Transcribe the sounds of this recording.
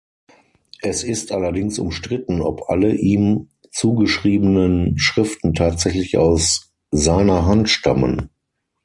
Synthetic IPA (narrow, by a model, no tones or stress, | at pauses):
ʔɛsɪstʔalɐdɪŋsʊ̰mʃtʁ̥ɪtn̩ɔ̰pʔa̰ləʔiːm | t͡suːɡəʃʁ̥iːbənənʃʁ̥ɪftn̩tʰaːtz̥ɛçlɪça̰ʊs | zaɪnɐɦantʃta̰mə̰n